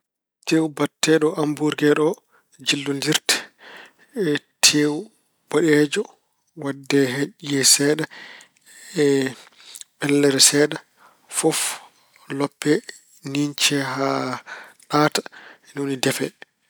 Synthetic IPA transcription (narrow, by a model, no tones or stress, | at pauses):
tewubatːɛɗɔʔambuɾɡɛɗɔ | d͡ʒilːundiɾtɛ̥ | tʰewu | b̥ɔɗɛd͡ʒɔ | wadːɛɦeʔiɛsɛːɗa | ɛ | ɓɛlːɛɾɛsɛɗa | fɔf | lɔpːɛ | niɲt͡ʃɛha | ɗaːtḁ | nunidɛfɛ